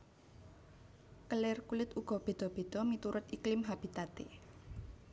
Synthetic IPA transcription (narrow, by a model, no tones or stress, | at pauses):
kəlɪrkulɪt̪uɡ̥ɔ̤b̥e̤d̪̥ɔ̤b̥e̤d̪̥ɔ̤mit̪uɾʊt̪iklɪmɦab̥i̤t̪at̪e